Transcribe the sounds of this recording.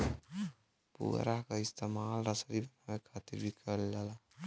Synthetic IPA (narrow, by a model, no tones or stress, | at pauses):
pṵɾaɦkaɪst̪emaːlɾəsɾibʱənawekʰat̪iɾbʱikʰəɾld͡ʒala